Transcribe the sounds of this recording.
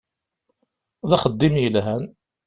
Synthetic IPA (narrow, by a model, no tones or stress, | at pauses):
ðæχəd̪ːimjəlɦæn